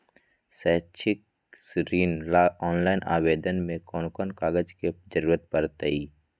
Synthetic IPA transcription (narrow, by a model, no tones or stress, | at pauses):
sɛt͡ʃʰɪk | sɾiːnlaɔːnlaːɪnʔa̰ːweːd̪ənmẽkɔːnkɔːnkaːɡəd͡ʒked͡ʒəɾuːɾət̪̚pəɾt̪əiː